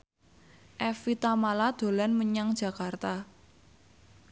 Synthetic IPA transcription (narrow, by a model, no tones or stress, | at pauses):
ʔɛfit̪amalad̪̥o̤lanməɲaŋd̥ʒ̥a̤kart̪a